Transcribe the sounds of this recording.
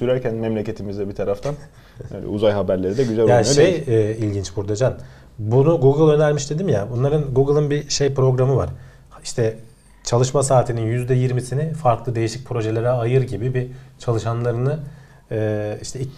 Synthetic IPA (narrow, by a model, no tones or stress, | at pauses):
syɾæɾcʰænmɛmlʲece̞t̪ʰimizd̪ɛbit̪ʰaɾaft̪ʰan | aːnɛ̰ṵzajɦabæɾlʲeɾid̪ɛɟyzælʲaʃejɛilʲɟint͡ʃbuɾd̪ad͡ʒan | bunuɡuɡɯlˠø̞næɾmiʃd̪e̞d̪imjabunlˠaɾɯnɡuɡɯlˠɯnbiʃe̞jpɾo̞ɡɾamɯva̰ɾ̥ | iʃt̪ʰɛ | t͡ʃʰalˠɯʃmasaːt̪ʰininjyzd̪ɛjiɾmisinɪfaɾklˠɯd̪e̞jiʃic̚pʰɾo̞ʒelʲeɾɛajɯɾɟibibit͡ʃʰalˠɯʃanlˠaɾɯnɯ | ɛːiʃt̪ʰɛi